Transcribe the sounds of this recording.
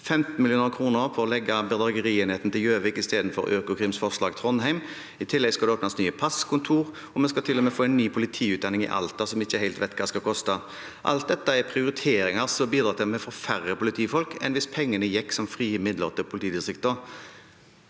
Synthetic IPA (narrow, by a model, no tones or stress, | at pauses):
fɛmt̪n̩mɪlɪuːnəkʰʁuːnəɾfʰɔɾɔlɛɡːɑbɛd̪ʁɑɡəʁiːeɛːnheːt̪n̩t̪ɪljøːʋɪkɪst̪eːd̪n̩fɔ̰ɾøːkʊkʰʁiːmsfɔʁʂlɑːɡt̪ʰʁɔnhæɪm | ɪt̪ʰɪlːɛɡskɑld̪ɛoːpnɑst̪nyːəpʰɑskʰʊnt̪ʰuːʁ | ɔmɛnskɑlt̪ʰɪlːɔmɛːfoːɛɪnːyːpʰʊlɪt̪ʰiːʉːt̪d̪ɑnɪŋɪ̰ʔɑ̰lt̪ɑsɔmɪçːəhæɪlt̪ʋɛɪt̪kʰɑːskɑkʰɔst̪ə | ʔɑ̰lt̪̚d̪ɛt̪ːəɛpʰʁɪʊɾɪt̪ʰeːɾɪŋəʁsɔbiːd̪ɾɑːt̪ɛmɛfɔfæʁəpʊlɪt̪ʰiːfɔlkɛ̰ɪnʋɪspʰɛŋːənəjɛkːsɔmfʁiːɪmɪd̪lə̰ʁt̪ʰɪlpʊlɪt̪iːd̪ɪsʁɪkt̪əʁ